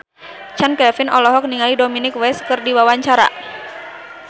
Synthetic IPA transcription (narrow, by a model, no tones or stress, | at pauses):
t͡ʃankɛfinɔlɔɦɔk̚niŋalidominɪkwɛskɨrdiwawaɲt͡ʃaɾa̰